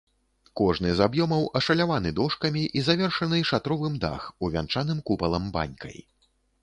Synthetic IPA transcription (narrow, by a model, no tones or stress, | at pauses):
kɔʐnɨzabjɔmɐwʔɐʂɐlʲavanɨd̪ɔʂkɐmʲiʔizavʲɛrʂɐnɨʂat̪ɾɔvɨmd̪a̰xuvʲa̰nt͡ʂanɨmkupɐlˠɐmba̰nʲkɐ̰j